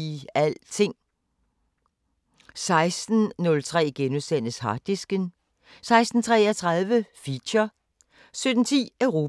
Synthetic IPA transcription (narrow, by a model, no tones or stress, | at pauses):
æl̰t͡sʰe̝ŋ̰ | sɑ̈ɪsd̥n̩nɔ̽lt͡sʰʁɛ̰ːɡ̥enuðˠsæn̰əshɑ̈d̥isɡ̥ən | sɑ̈ɪsd̥n̩t͡sʰʁɛːɐt͡sʰʁɑ̈ð̞ˠʋəfiɕɐ | sød̥n̩t͡sʰḭːœʊʁo̝ː